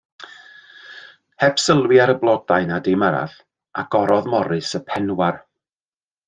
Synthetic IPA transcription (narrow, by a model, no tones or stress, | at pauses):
hɛpsəlˠwɪaɾəblˠɔdajnadejməɾa̰ð | aɡ̥ɔɾɔðmɔɾɨsəpʰɛnwar